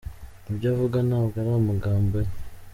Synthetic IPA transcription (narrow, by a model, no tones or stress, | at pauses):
ibɟaːvuɡanaːβɡaɾaamuɡaːmbe